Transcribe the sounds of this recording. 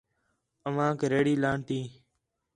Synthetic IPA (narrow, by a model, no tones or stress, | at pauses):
əʋãːkɾeːɽiːlaːɳt̪iː